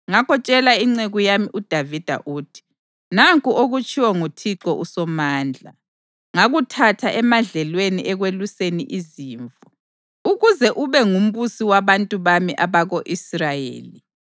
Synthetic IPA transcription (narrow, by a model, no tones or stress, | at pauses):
ŋakʰɔt͡ʃʼɛlaiŋ͡ǀeɣujamiʔud̥ʱavid̥ʱa̰ʔuːtʰi̥ | naŋkʼuʔoɣut͡ʃʰʼiwɔŋutʰiǃʼɔʔusɔmaːnd͡ɮʱa̰ | ŋaɣutʰatʰaʔɛmaɮɛlweniʔɛɣweluseniʔiziːɱvɔ | uɣuzɛʔuβɛŋum̩βusiwaβantʼuβamiʔaβaɣoʔisrajḛːli